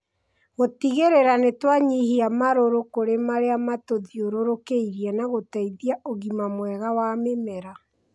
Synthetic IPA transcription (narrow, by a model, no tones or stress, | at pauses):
ɣotiɣeɾeɾanetwaɲihiamaɾoɾokoɾemaɾeamatoðioɾoɾokeiɾianaɣotaiðiaʔoɣimamwɛɣawamemɛɾa